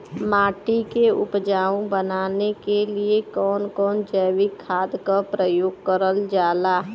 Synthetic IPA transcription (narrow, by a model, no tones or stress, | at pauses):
maːʈikeʊ̰pd͡ʒaːũbənaːnekeliekɔːnkɔːnd͡ʒəːʋɪkʰːaːd̪kapɾəjoːɡ̚kəɾəld͡ʒaːlaɦ